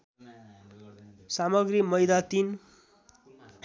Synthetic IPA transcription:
samʌɡrimʌjd̪at̪in

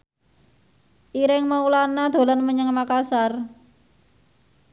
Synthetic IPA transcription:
ʔiɾɪŋməulanad̪̥o̤lanməɲəŋmakasar

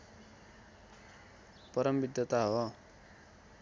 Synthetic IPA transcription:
pʌɾʌmbid̪jʌt̪aɦo

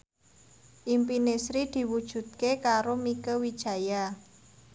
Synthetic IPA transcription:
ʔimpinesɾid̪̥i̤wud̥ʒ̥ṳt̪̚kekaɾomikəwid̥ʒ̥ä̤ja

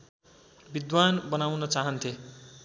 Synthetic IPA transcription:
bid̪wanbʌnawnʌt͡saɦʌnt̪ʰe

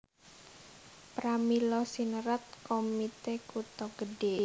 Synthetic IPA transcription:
pɾamilɔsinəɾat̪̚komit̪ekut̪ɔɡ̥əɖe

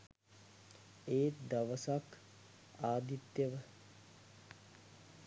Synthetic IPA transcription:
eːd̪aʋəsak | aːd̪it̪jəʋə

